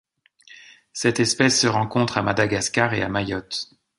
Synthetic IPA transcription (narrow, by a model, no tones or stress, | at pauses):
sɛt̪ɛspɛsːəʁɑ̃kɔ̃t̪χamad̪aɡaskaʁeamajɔt̪